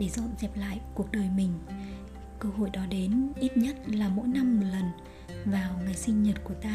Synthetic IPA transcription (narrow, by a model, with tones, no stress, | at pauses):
ɗe˧˩zɔ̰˧˨nzɛ˨˩p̚la̰ː˧˨jku˨˩ək̚ɗəː˨˩jmï˨˩ŋ̟ | kəː˧ɦo̰˧˨jɗɔ˨˦ɗe˨˦nʔi˦˥t̚ɲə˦˥t̚laː˨˩mo̰˧˥jna˧mːo˨˩t̚lə˨˩n | vaː˨˩wŋɨ˨˩jsï˧ŋ̟ɲə˨˩t̚ku˧˩ət̪aː˧